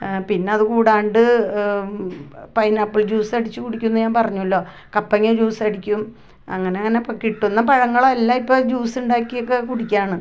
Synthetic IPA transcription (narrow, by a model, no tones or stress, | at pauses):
pinːeɐðɨkuːɽaːɳɖɨ | pɐjnaːpːiɭd͡ʑuːsɐɽit͡ɕːɨkuɽikʲːunːɐɲaːnpɐrɐɲːuɐlːo̞ː | kɐpːɐŋːed͡ʑuːsɐɽikʲːum | ɐ̰ŋːɐne̞ɐŋːɐne̞pkiʈːunːɐpɐɻɐŋːɐɭelːaipːoːd͡ʑuːsuɳɖaːkːijokːekuɽikʲːaːɳɨ